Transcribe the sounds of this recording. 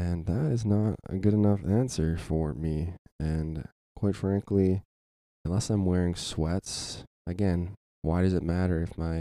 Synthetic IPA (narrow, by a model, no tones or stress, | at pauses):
ɨ̃nðəɾɨznəɾə̰ɡʊɾɨnʌfæ̃nsə˞fə˞miɨ̃n | kʰw̥aɪtfɹæ̃ŋklĩ | nlɛsãɪ̃mwɛɹɪ̃ŋswɛts | ɨɡɛ̃n | waɪɾʌzɨt̚mæɾə˞ɨfmaɪ